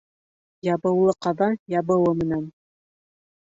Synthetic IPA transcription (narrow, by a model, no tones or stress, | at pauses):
jɑbɤ̆wlˠɤqɑðɑnjɑbɤ̆wɤmɘ̆næn